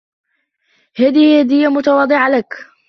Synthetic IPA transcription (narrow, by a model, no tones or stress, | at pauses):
haːd̪ihaːd̪ɪjːamʊt̪awɑːd̪ˤɨʕalak